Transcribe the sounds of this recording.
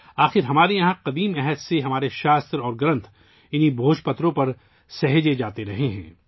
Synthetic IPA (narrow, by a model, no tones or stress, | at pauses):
aːxɪɾɦɐmaːɾijɐɦãqɐd̪iːmɛɦɛd̪seɦɐmaːɾeʃaːst̪ɾɔːɾɡɾɐ̃nt̪ʰ | ɪnibʱoːʃpɐt̪ɾõpɐɾ | sɐɦd͡ʒed͡ʒaːt̪eɾɐɦeɦɛ̰̃ː